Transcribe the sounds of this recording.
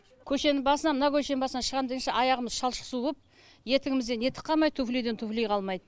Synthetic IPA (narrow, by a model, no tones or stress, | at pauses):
kʲʰɵʃe̞nɪŋbɑsənɑmənɑkʲʰɵʃe̞nɪŋbɑsənɑʃəʁɑnd̪əənʃɑʔɑjɑʁəməzʃɑlˠʃə̥qsuəp̚ | je̞t̪ɪɡɪmɪzd̪ene̞t̪ʰɪ̥qʰːɑmɑjd̪t̪ʰuflijd̪et̪ʰuflijqʰɑlˠmɑjd̪ə